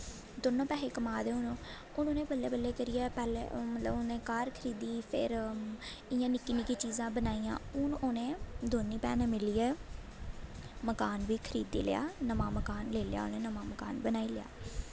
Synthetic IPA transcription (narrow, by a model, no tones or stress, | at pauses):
d̪oːnõːpɛːeːkəmaːd̪eːʊnõː | ʊnõːnẽːbəlːeːbəlːeːkəɾɪjɛːpɛːlḛːmət̪ləbʊnẽːkaːɾkʰəɾiːd̪iːpʰɪ̰ɾ | ɪjãːnɪkiːnɪkiːt͡ʃiːzãːbənaːijã̰ːʊnoːnẽːd̪oːniːpɛ̰ːnẽmɪliːɛː | məkaːnʋiːkʰəɾiːd̪ḭːlɪ̰ja̰ːnəmãːməkaːnleːlja̰ːo̰nẽːnəmãːməka̰ːnbənaːiːlɪja̰ː